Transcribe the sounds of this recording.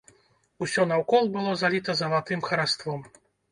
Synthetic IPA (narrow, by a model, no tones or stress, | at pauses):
usʲɔnɐwkɔlˠbɨlˠɔzalʲit̪ɐzɐvat̪ɨmxɐɾast̪vɔm